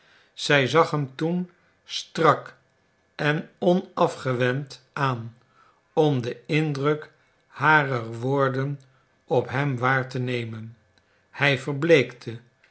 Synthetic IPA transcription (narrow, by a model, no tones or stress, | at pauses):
z̥ɛjzɑχɦəmtun | strɑk | ɛnɔnɑfχəʋɛmt | aːn | ɔmdəɪndrɵk | haːrərʋoːɹdən | ɔpɦɛmʋaːɹtənejmən | hɛjvəɹblejktʰə